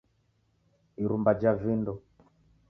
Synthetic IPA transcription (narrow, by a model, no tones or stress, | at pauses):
iɾumbad͡ʒavindɔ